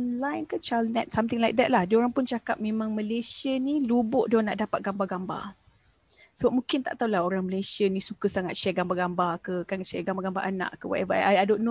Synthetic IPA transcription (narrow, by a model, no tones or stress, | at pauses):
ɔnlajnkət͡ʃalnɛt̪̚samt̪ɪŋlajk̚d̪ɛt̪̚lahdioɾaŋpʊnt͡ʃakap̚mẽmãŋməlesiənilubʊʔdona̰ʔdapat̪̚ɡambaɡamba̰ | səbap̚mũkɪnt̪a̰ʔt̪aulahoɾaŋməlajsiənisukəsaŋat̪̚ʃɛɡambaɡambakəkanʃɛɡambaɡamba̰ʔana̰ʔkəwa̰ʔɛvaaadoʔnu